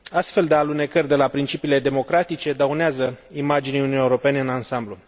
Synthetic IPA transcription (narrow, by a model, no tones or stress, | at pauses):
ast̪fe̞ld̪ealune̞kərʲd̪e̞lapɾint͡ʃipiːle̞d̪e̞mo̞kɾat̪it͡ʃe̞d̪auneazəimad͡ʒiniununijeuɾo̞pe̞neɨnansamblu